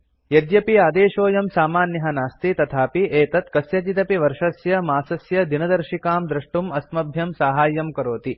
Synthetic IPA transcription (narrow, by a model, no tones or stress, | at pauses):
jɐd̪jɐpiaːd̪eːʃoːjɐmsaːmaːnjɐɦɐnaːst̪it̪ɐt̪ʰaːpiʔeːt̪ɐt̪kɐsjɐt͡ʃit̪ɐpiʋɐɾʂɐsjɐmaːsɐsjɐd̪inɐd̪ɐɾʃikaːmd̪ɾɐʂʈumɐsmɐbʱjɐmsaːɦaːjɐmkɐɾoːt̪i